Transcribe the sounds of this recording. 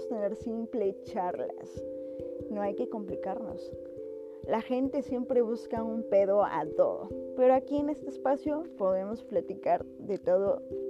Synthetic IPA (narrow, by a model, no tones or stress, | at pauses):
st̪e̞ne̞ɾsimplet͡ʃaɾla̰s | no̞ajke̞ko̞mplikaɾno̰s | laxe̞nt̪e̞sje̞mpɾe̞β̞uskaumpe̞ðo̞a̰t̪o̞̰ðo̰pe̞ɾoakie̞ne̞st̪eːspasjo̞po̞ðe̞mo̞splat̪ikaɾ | ðe̞t̪oðo